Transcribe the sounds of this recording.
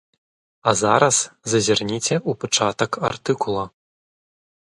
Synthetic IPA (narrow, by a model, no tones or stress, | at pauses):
ɐzaɾɐszɐzʲarnʲit͡sʲɛupat͡ʂat̪ɐka̰rt̪ɨkulˠɐ